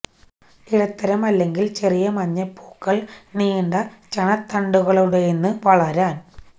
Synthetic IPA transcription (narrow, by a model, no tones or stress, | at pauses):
iɽɐt̪ːɐɾɐmɐlːe̞ŋɡilt͡ɕerijɐmɐɲːɐpːoːkːɐɭniːɳɖɐt͡ɕɐɳɐt̪ːɐɳɖuɣɐɭuɽejenːɨʋɐɭɐɾaːn